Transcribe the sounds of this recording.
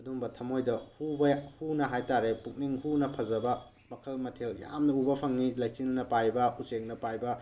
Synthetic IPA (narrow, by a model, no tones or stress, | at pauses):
ɐduŋbɐtʰɐmojdɐhubɐhunɐɦajtaɾepuk̚niŋhunɐpʰɐzɐbɐ | mɐkʰɐlmɐtʰelja̰mnɐubɐpʰɐŋnilaj̚sinnɐpajbɐuseŋ̚nɐpajbɐ